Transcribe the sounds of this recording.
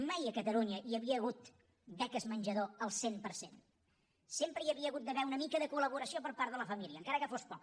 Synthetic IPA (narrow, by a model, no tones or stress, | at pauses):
majəkət̪əluɲəʔiəβiəːɣ̞ut̪ | d̪ɛkəzmənʲʒəðoəlˠsempəɾsen | sempɾəiəβiəɣut̪̚d̪əβɛunəmikəðəkuləβuɾəsiopəɾpaɾt̪ðələfəmiliəːŋkaɾəkəfospɔk